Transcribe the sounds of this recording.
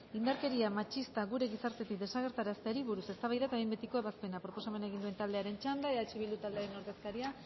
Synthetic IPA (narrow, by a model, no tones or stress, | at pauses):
ind̪aɾke̞ɾiamat͡ʃist̪aɣuɾe̞ɣisaɾt̪e̞t̪ik̚d̪e̞saɣ̞e̞ɾt̪aɾast̪eaɾiβuɾuse̞st̪aβajðat̪aimbet̪iko̞eβaspe̞napɾo̞po̞same̞neɣind̪ue̞nt̪ald̪e̞aɾe̞nt͡ʃand̪aeðat͡ʃiβild̪ut̪ald̪eaɾe̞no̞ɾðe̞skaɾia